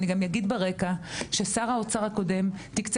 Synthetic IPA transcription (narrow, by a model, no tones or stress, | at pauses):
niɡamjaɡid̪beʁekaʃesaʁaot͡saʁhako̞de̞mt̪ikt͡s